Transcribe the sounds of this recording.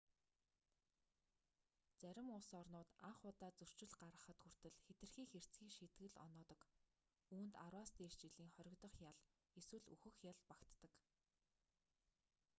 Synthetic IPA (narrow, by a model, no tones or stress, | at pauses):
t͡sæɾʲɪ̆mʊsɔrnʊːt̪aɴχʊːt̪aːt͡sɵr̥t͡ɕɪ̆ɮɢaɾə̆χə̆t̪xur̥t̪ɘ̆ɮxet̪ɘ̆rxiːxer̥t͡sɡiːkʃit̪ɡɘ̆ɮɔ̰nɔːt̪ɞ̆k | uːnt̪aɾwaːst̪iːr̥t͡ɕɪɮiːŋχœɾʲɪ̆kt̪ɞ̆χjaɮ | eswɘ̆ɮṵxɘ̆xjaɮpakt̪ːə̆k